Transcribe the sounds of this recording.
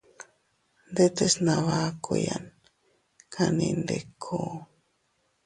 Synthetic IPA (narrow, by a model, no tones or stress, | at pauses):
nd̪et̪esnaβakojan | kʰanĩnd̪ekʰo